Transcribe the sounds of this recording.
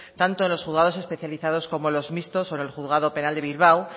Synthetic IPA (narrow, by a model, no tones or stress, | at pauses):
t̪ant̪o̞enlo̞sχuðɣað̞o̞s̬e̞spe̞θjaliθaðo̞sko̞mo̞lo̞zmist̪o̞soenelxuðɣaðo̞pe̞nald̪eβilβ̞aw